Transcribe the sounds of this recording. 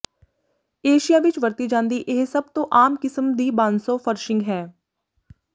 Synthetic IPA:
eːʃijaːʋɪt͡ʃʋəɾt̪id͡ʒãːnd̪iʔeɦsəb̚t̪õʔaːmkɪsəmd̪iːbãːnsoːfʰəɾʃɪ̃ŋɡɦɛː

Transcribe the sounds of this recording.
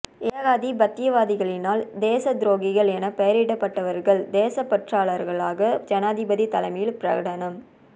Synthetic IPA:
eːɣaːðibɐt̪ːɪjɐʋaːðɪɣɐɭɪnaːld̪eːsɐd̪ɪɾoːɡɪɣɐɭɛnɐpɐjɐɾɪɽɐpːɐʈːɐʋɐɾɣɐɭd̪eːsɐpːɐʈraːɭɐɾɣɐɭaːɣɐd͡ʒɐnaːðɪbɐðit̪ɐlɐmɐjɪlpɪɾɐɣɐɽɐnɐm

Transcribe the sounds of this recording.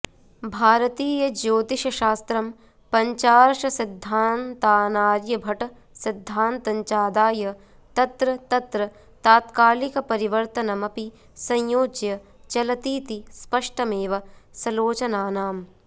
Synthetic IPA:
bʱaːɾɐt̪iːjɐd͡ʒoːt̪iʃɐʃaːst̪ɾɐm | pɐɲt͡ʃaːɾʃɐsid̪ʱːaːnt̪ːaːnaːɾjɐbʱɐʈɐ | sid̪ʱːaːnt̪ɐɲt͡ʃaːd̪aːjɐ | t̪ɐt̪ɾɐt̪ɐt̪ɾɐ | t̪aːt̪kaːlikɐpɐɾiʋɐɾt̪ɐnɐmɐpi | sɐ̃jjoːd͡ʒjɐ | t͡ʃɐlɐt̪iːt̪ispɐʂʈɐmeːʋɐsɐloːt͡ʃɐnaːnaːm

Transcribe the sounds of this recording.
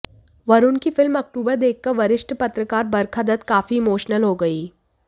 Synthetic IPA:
ʋɐɾʊnkifɪlmɐk̚ʈuːbəɾd̪eːk̚ʰːɐɾʋɐɾɪʃʈpɐt̪ɾəkaːɾbɐɾkʰad̪ət̪kaːfiɪmoːʃnəlɦoːɡɐiː

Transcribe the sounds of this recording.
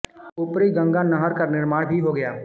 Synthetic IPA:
ʊpɾiɡɐ̃ŋɡanɐɦəɾkanɪɾmaːɽbʱiɦoɡɐjaː

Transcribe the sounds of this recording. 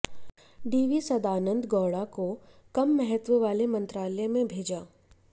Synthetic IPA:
ɖiːʋisɐd̪aːnə̃nd̪ɡɔːɽako | kɐmːɛɦət̪ʋəʋaːlemɐ̃nt̪ɾaːlɛmẽbʱeːd͡ʒaː

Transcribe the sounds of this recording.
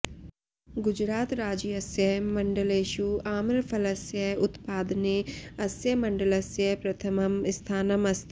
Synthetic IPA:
ɡʊd͡ʒɾaːt̪ɾaːd͡ʒiɐsjəɦmɐ̃ɳɖəleːʃuːaːmɾpʰɐlɐsjəʊt̪paːd̪neɐsjəmɐ̃ɳɖəlɐsjəpɾɐt̪ʰəmɐmɪst̪ʰaːnəmɐst̪ʰ

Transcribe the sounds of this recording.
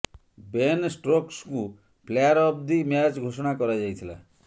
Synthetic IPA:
bensʈɾoksku | pʰlejaɾɔp̚d̪imjat͡ʃɡʱosɔɽ̃akɔɾad͡ʒajt̪ʰila̰

